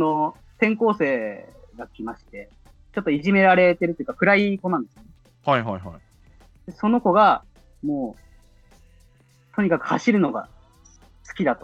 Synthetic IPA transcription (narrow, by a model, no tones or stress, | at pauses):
sono | t̪ẽ̞ŋko̞ːse̞ːɡakʲimaɕi̥t̪e̞ | t͡ɕo̞t̪ːoiʑime̞ɾaɾe̞t̪e̞ɾɯt̪ojiɯ̟kakɯ̟ɾaiko̞nãnd̪e̞sɨjone | haiɦajɦaj | d̪̥e̞so̞no̞ko̞ɡa | mo̞ː | t̪o̞ɲ̟ikakɯ̟̥haɕiɾɯ̟no̞ɡa̰ | sɨ̥kʲid̪at̪o